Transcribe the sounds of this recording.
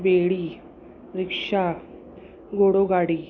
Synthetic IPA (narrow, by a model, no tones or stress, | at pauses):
beɽiː | ɾikʂa | ɡoɽoɡaɽiː